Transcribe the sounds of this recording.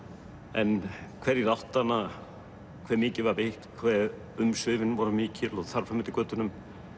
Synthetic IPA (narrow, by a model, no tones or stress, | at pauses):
ɛnkʰvɛɾiɾawht̪ːanːa | kʰvɛːɾmɪːcɪvaɾveht̪kʰvɛːð | ʏmsvɪːvɪnvɔɾʏmɪːcɪloðθaɾ̥famɪt̪ɪkœːt̪ʏnʏm